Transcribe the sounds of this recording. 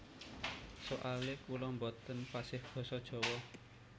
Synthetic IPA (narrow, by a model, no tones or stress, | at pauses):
soʔalɪkulɔmbɔt̪ənpasɪhɡ̥ɔ̤sɔd̥ʒ̥ɔ̤wɔ